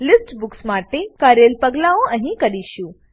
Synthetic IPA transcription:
lɪsʈbʊksmaːʈekɐɾelpɐɡlaːõə̃ɦĩkɐɗiʃũ

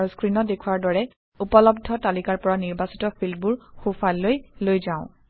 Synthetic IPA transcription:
uskɹinɔdekʰuwaɹdɔɹɛ | upɔlɔb̚dʱɔtalikaɹpɔɹaniɹbasi̥tɔpʰilbuɹxufalːojlojzãʊ̃

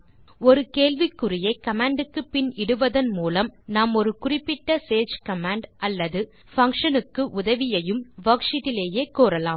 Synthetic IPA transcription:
ɔɾɯkeːlʋɪkːʊrɪjɐɪkɐmaːɳɖɯkːɯpɪnɪɽɯʋɐðɐnmuːlɐmnaːmɔɾɯkʊrɪpːɪʈːɐseːd͡ʒkɐmaːɳɖʔɐlːɐðɯ | fɐŋkʂɐnɯkːɯʔʊðɐʋɪjɐjɯmʋɐːkʂɪðɪleːjeːkoːɾɐlaːm

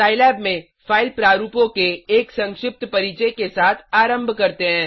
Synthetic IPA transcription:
taːɪlɛːbmẽ | faːɪlpɾaːɾuːpõkeeːksɐ̃ŋkʃɪp̚t̪pɐɾiːt͡ʃekesaːt̪ʰaːɾə̃mbʱkɐɾt̪eɦɛ̃ː

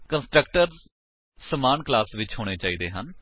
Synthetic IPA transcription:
kə̃nsʈɾək̚ʈəɾ | səmaːnklaːsʋɪt͡ʃɦoːɽ̃eːt͡ʃaːiːd̪eːɦən

